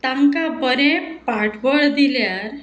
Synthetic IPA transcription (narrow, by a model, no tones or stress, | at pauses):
t̪ãŋkabəɾɛ̃paʈʰbəɭd̪iljaɾ